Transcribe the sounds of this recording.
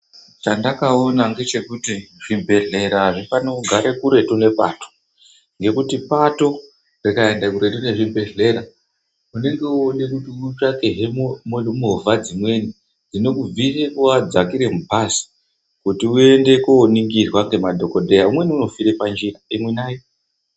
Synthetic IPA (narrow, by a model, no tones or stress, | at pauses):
t͡ʃandakao̞naŋɡe̞t͡ʃe̞kutiʐ̥imbʱe̞ɮe̞ɾaʐipanouɡʱaɾekuɾe̞tune̞pa̰to̥ | ŋɡe̞kutipato̞ | rikaendakuɾe̞tune̞ʐimbe̞ɮe̞ɾa | une̞ŋɡe̞oɗekutiut͡ʃakeɦemomomovʱad͡zimwe̞ni | d͡zino̞kub͡visekuwad͡zakiɾe̞mupasi̥ | kutiue̞nde̞koniŋɡirwaŋɡe̞madʱo̞ko̞dʱejaumwe̞niuno̞fiɾepand͡ʒiraimwenaːjo